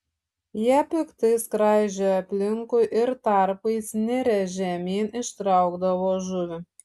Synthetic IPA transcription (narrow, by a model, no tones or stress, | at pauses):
jæpʲɪkt̪ɨskɾɑjʒʲøɐpʲlʲɪŋkʊʔɪɾt̪ɑɾpɐɪsnʲɛɾʲɛʒʲæmʲeːnɪʃt̪ɾɑʊɡd̪ɐʋoːʒuʋʲɪ